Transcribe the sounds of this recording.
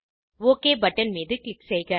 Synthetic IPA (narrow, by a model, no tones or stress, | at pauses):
oːkeːbɐʈːɐnmiːðɯklɪksɛjɣɐ